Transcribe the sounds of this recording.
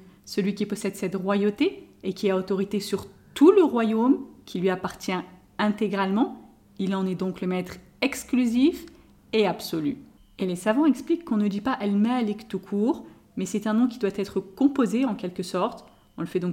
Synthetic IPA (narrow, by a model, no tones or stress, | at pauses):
səlɥikʲipɔsɛd̪sɛt̪ʁwajot̪eːkʲiaot̪ɔʁit̪esyʁt̪uləʁwajomkʲilɥiapaʁt̪jɛ̃ | ɛ̃t̪eɡʁalmɑ̃ | ilɑ̃nɛd̪ɔ̃kləmɛt̪χ | ɛksklyzif | eabsɔly̰ | elesavɑ̃ɛksplikːɔ̃nəd̪ipaʔɛlmaalɛkt̪ukʰuːʁ | mɛsɛt̪ɛ̃nɔ̃kʲid̪wat̪ɛt̪χəkɔ̃pozeɑ̃kʲɛlkəsɔʁt̪ | ɔ̃ləfɛd̪ɔ̃k